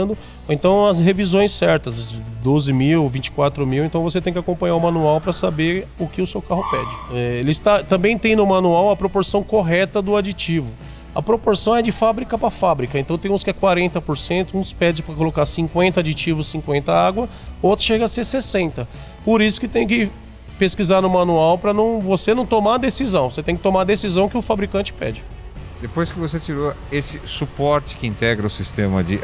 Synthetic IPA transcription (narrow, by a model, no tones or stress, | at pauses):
d̪ʊ | ẽnt̪ɐ̃w̃ɐsɦevizõj̃sɛɾt̪ɐsd̪ozɪmiwvĩt͡ʃɪ̥kwat̪ɾʊmiwẽnt̪ɐ̃w̃voset̪ẽj̃kɪakõpɐ̃ɲaɾʊmɐ̃nuawpɾɐsabeɾʊkɪʊsewkaɦʊpɛd͡ʒɪɛelɪst̪at̪ɐ̃mbẽj̃t̪ẽj̃nʊmɐ̃nuawɐpɾopoɾsɐ̃w̃koɦɛt̪ɐd̪ʊad͡ʒit͡ʃivʊ | ɐ̰pɾopoɾsɐ̃w̃ɛd͡ʒɪfabɾikɐpɾɐfabɾikɐẽnt̪ɐ̃w̃t̪ẽj̃ũskɪɛkwaɾẽnt̪ɐpoɾsẽnt̪ʊũspɛd͡ʒɪspɾɐkolokaɾsĩŋkwẽnt̪ɐad͡ʒit͡ʃivʊssĩŋkwẽnt̪ɐaɡwɐ | ot̪ɾʊ̥ʃeɡɐseɾsesẽnt̪ɐ | poɾisʊ̥kɪt̪ẽj̃ʊ̃kɪ | peskizaɾnʊ̃mɐ̃nuawpɾɐnɐ̃w̃vosenɐ̃w̃t̪omaɐd̪esizɐ̃w̃oset̪ẽkɪt̪omaɾd̪esizɐ̃w̃kɪʊfabɾikɐ̃nt͡ʃɪ̥pɛ̰d͡ʒɪ | d̪epojskɪvoset͡ʃiɾoesɪsupɔɾt͡ʃɪ̥kɪĩnt̪ɛɡɾɐʊsist̪ẽmɐd͡ʒɪ